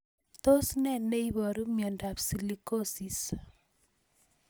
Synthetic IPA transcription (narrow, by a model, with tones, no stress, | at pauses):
to˦snɛ˦˨ne˦iβɔ˨ɾu˦mjɔ˨nda˨psi˨liko˦si˨s